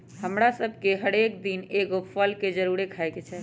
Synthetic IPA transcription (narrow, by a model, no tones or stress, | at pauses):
həmɾasəbʱkeɦəɽek̚d̪ineɡopʰəlked͡ʒəɾuɾekʰaeket͡ʃʰɛ